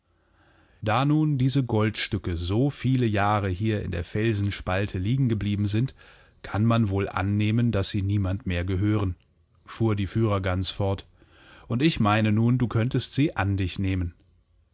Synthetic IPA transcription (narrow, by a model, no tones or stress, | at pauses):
d̥aːnuːndiːzəɡɔltʃtʏkəzoːfiːləjaːʁ̞əɦiːɐɪ̰ndeːɐfɛlzn̩ʃpaltʰəliːɡŋ̩ɡəbliːbm̩zɪnt | kʰanmanvoːlʔa̰nːeːmənd̥asz̥iːniːmantmeːɐɡəɦøːʁən | fuːɐdiːfyːʁ̞ɐɡant͡sfɔɐt | ʔʊntɪçmaɪnənuːnduːkʰœntəstz̥iːʔandɪçneːmən